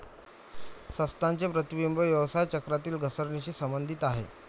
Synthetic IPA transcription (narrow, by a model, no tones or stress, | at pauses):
səst̪ant͡sepɾət̪ʋimbəʋjəʋsajt͡ɕəkɾat̪iːlɡʱəsəɾɳeɕiːsəmbənd̪ʱit̪aɦḛ